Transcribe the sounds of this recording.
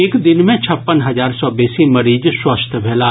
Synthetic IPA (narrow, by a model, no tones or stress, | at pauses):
eːkd̪ɪnmẽt͡ʃʰɐpːənɦɐzaːɾsɔbɛːsimɐɾiːd͡ʒswɐst̪ʰbʱɛːla